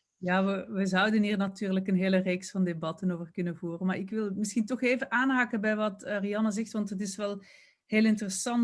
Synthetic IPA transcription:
jaːʋəʋəzʌwdənɦiːrnɑtyːrləkənɦeːləreːksfɑndebɑtənoːvərkɵnəvuːrənmaːɹɪkʋɪlˠmɪsxintɔxeːvəʔaːnɦaːkəbɛjʋɑtərijɑnəzɛxtʋɑntɦət̬ɪsʋɛlˠ | heːlˠɪntərəsɑn

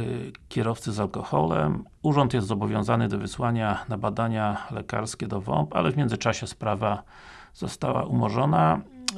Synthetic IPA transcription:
kʲɛɾɔft̪sɘzalkɔxɔ̰lɛ̰m | uʐɔnt̪jɛst̪zɔbɔvʲjɔ̃zanɘd̪ɔvɘswaɲanabad̪aɲalɛka̰ɾskʲɛd̪ɔvɔ̰mpa̰lɛvmʲjɛndzɘt͡ʂaɕɛspɾava | z̥ɔst̪awa̰ʔumɔʐɔna

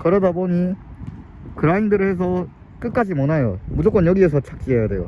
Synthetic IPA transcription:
kɯɾʌdaboɲi | kɯɾaindɯɾɯɦes̬ʰʌ | k͈ɯk͈ad͡ʑimʌnajomud͡ʑok͈ʌnjʌɡie̞sʰʌt͡ɕʰak̚t͡ɕ͈iejade̞jo̰

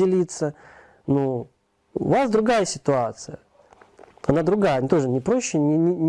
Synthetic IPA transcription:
ɪlʲit̪sə | nu | ʊ̰vasd̪ɾʊɡajəsʲɪt̪ʊat̪sɨjə | ɐnad̪ɾʊɡajənʲt̪o̞ʐɨnʲɪpɾo̞ɕːɪnʲɪnʲɪnʲ

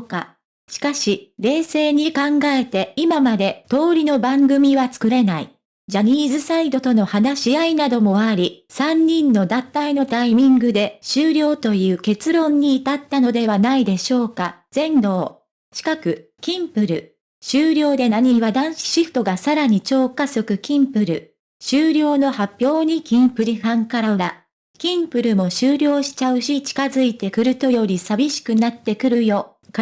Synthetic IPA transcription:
ka | ɕi̥kaɕiɾe̞ːse̞ːɲ̟ikãŋɡae̞t̪e̞imamad̪e̞t̪o̞ːɾʲino̞bãŋɡɯ̟mʲiβat͡sɨ̥kɯ̟ɾe̞nai | d͡ʑaɲ̟ʲiːzɨsaid̪o̞t̪o̞no̞hanaɕiainad̪o̞mo̞aɾʲisãɲ̟ːĩnːo̞d̪ãnt̪aino̞t̪aimʲĩŋɡɯ̟d̪e̞ɕɨːɾʲo̞ːt̪o̞jɯ̟ːke̞t͡sɨɾõ̞ɲ̟ːiːt̪at̪ːano̞d̪e̞β̞anaid̪e̞ɕo̞ːkaz̥ẽ̞nd̪o̞ː | t͡ɕi̥kakɯ̟kʲĩmpɯ̟ɾɯ̟̰ | ɕɨːɾʲo̞ːd̪e̞naɲ̟iβad̪ãɰ̃ɕi̥ɕiɸɯ̥t̪o̞ɡasaɾaɲ̟it͡ɕo̞ːkaso̞kɯ̟kʲĩmpɯ̟ɾɯ̟ | ɕɨːɾʲo̞ːno̞hapʲjo̞ːɲ̟ikʲĩmpɯ̟ɾʲihãŋkaɾaɾa | kʲĩmpɯ̟ɾɯ̟mo̞ɕɨːɾʲo̞ːɕi̥t͡ɕaɯ̟ɕit͡ɕi̥kazɨit̪e̞kɯ̟ɾɯ̟t̪o̞jo̞ɾʲisabʲiɕi̥kɯ̟nat̪ːe̞kɯ̟ɾɯ̟jo̞ | k

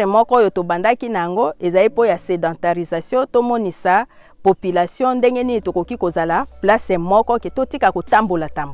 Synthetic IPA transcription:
emɔkɔojotobandakinajaŋɡoezalipojasedɑ̃taʁizasjɔ̃tomɔnisa | popylasjɔ̃ndeŋɡeninitokokikozalaplasɛmɔkɔketotikakotambolatamb

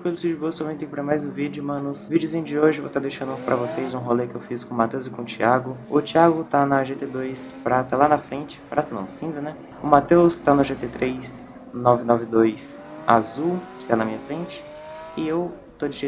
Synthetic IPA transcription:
pelʊsid͡ʒɪbosomẽt̪ẽkɪpɾɐmajzʊ̃vid͡ʒʊmɐ̃nʊsvid͡ʒɪʊzĩj̃d͡ʒɪoʒɪvot̪ad̪ejʃɐ̃nd̪ʊpɾɐvosejzũɦolekɪewfiskõmat̪ewzɪkõʊt͡ʃiaɡʊʊt͡ʃiaɡʊt̪anɐʒet̪ed̪ojspɾat̪alanɐfɾẽnt͡ʃɪ̥pɾʔat̪ɐnɐ̰̃sĩzɐnɛ | ʊmat̪ewst̪anʊʒet̪et̪ɾejs | nɔvɪnɔvɪd̪ojs | a̰zuwkɪ̥t̪anɐmĩɲɐfɾẽnt͡ʃɪ̥ | ɪew | t̪od͡ʒɪʒe

